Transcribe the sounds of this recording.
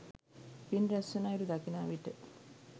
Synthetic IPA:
pinɾesːunaiɾud̪ɐkinaːʋiʈe

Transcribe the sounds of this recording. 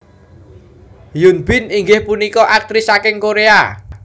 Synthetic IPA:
junbɪniŋɡɪhpunikɔʔak̚t̪ɾisakɪŋkoɾea

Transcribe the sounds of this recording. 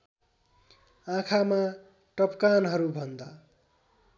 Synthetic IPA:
ãkʰama | ʈʌpkanɦʌɾubʱʌnd̪a

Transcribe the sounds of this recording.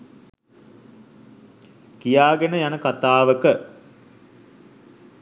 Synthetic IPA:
kijaːɡenəjanəkat̪aːʋəkə

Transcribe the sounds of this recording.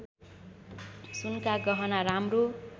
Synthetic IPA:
sunkaɡʌɦʌnaɾamro

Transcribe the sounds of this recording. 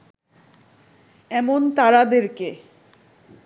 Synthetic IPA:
ɛmont̪aɾad̪eɾke

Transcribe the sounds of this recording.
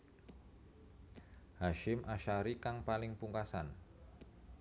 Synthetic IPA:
haʃɪmʔaʃaɾikaŋpalɪŋpuŋkasan

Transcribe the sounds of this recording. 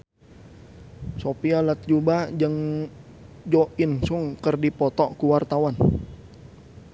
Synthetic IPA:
sopialat̪̚d͡ʒubad͡ʒəŋ | d͡ʒoʔinsuŋkərdipɔt̪ɔkuwart̪awan

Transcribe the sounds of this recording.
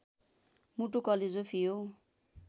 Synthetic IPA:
muʈukʌled͡zopʰijo

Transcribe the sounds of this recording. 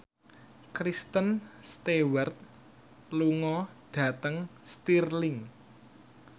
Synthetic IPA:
kɾist̪ənst̪ewart̪̚ | luŋɔd̥ä̤t̪əŋst̪irlɪŋ

